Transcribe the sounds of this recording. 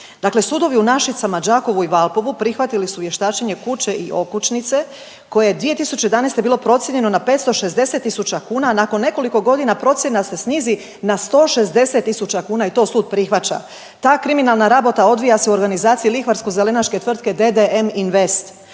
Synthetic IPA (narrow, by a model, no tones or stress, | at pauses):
d̪̥akle̞suːd̪o̞ʋiunaʃit̪samad͡ʒaːko̞ʋuiʋalˠpo̞ʋupɾixʋat̪ilisuʋje̞ʃt̪aːt͡ʃeɲe̞kut͡ɕe̞ʔiʔo̞kut͡ʃnit̪se̞ | ko̞jejed̪ʋije̞t̪isut͡ɕejd̪anejst̪e̞biːlo̞pɾo̞t̪sjeɲe̞no̞nape̞t̪st̪o̞ʃezd̪e̞se̞t̪ːisut͡ɕakuːnanakonːe̞ko̞liko̞ɡo̞d̪inapɾo̞t̪sjenasesniːzi | nast̪o̞ːʃe̞zd̪e̞se̞t̪ːisut͡ɕakuːnait̪o̞suːd̪̚pɾixʋat͡ɕa̰ | t̪aːkɾiminalˠnaɾabo̞t̪ao̞d̪ʋijase̞uo̞ɾɡanizaːt̪siilixʋaɾskoze̞le̞nat͡ʃke̞t̪ʋr̩t̪ke̞d̪e̞d̪eeminʋe̞st̪